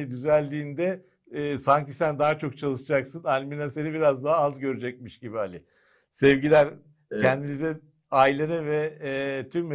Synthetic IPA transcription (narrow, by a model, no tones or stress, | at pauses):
id̪yzælʲd̪iːnd̪ɛː | saɲcisænd̪aɦat͡ʃʰo̞k̚t͡ʃʰalˠɯʃɯd͡ʒaksɯnalʲminaseɾibiɾazd̪aɦaazɟø̞ɾyd͡ʒɛc̚miʃɟibialʲi | sɛvɟilʲæɾ | cʰɛnd̪inizɛ | ajlˠaɾɯvɛt̪ʰymː